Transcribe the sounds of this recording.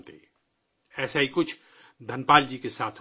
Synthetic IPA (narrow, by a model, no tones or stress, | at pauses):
t̪e | ɛːsaɦikʊt͡ʃʰ | d̪ʱɐnpaːld͡ʒikesaːt̪ʰ